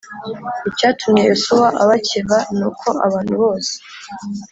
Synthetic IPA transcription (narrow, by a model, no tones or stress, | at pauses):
icaːtʰumejosuwaʔaβaceβanukʰo̞ʔa̰βaːnhuβo̞ːse̥